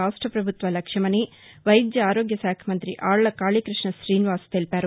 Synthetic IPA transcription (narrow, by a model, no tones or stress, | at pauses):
aːʂʈɾɐpɾɐbʱut̪ʋɐlɐkʂɐmɐni | ʋɐjd̪jɐaːɾoːɡjɐsaːkʰɐmɐnt̪ɾiʔaːɾɭɐkaːɭikɾɪʂɳɐʃɾiːniʋaːst̪elpaːɾu